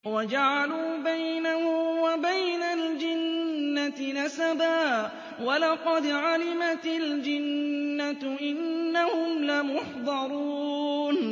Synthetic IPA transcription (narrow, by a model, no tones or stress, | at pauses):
wad͡ʒaʕaluːbajnahʊmwabajnald͡ʒɪnːat̪ɪnasabaː | walɑqɑd̪ʕalɪmat̪ɪld͡ʒɪnːat̪ʔɪnːahʊmlamʊħd̪ˤɑɾˤuːn